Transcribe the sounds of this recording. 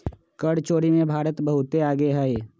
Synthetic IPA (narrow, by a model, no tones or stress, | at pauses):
kəɽt͡ʃoːɽimẽbʱaːɾət̪bəɦʊt̪eaːɡeɦɛe